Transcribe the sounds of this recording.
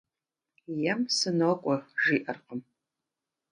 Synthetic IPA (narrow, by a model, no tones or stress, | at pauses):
jɛmsɨnoːkʷʼɔʒiːʔɐrqəm